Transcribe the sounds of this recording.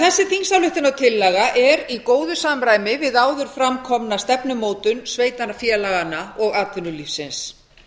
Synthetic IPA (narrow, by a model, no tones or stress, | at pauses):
θɛsːɪθinsawlɪht̪ɪnawt̪ʰɪlːɛɣaʔɛɾikoːwðʏsamɾaːjmɪvɪðaːwðʏɾ̥fɾamkʰɔmnast̪ɛpnʏmoːwt̪ʏnsveːjt̪anafjɛːlaɣanːaɔɣaːt̪ʏnːʏlifsɪns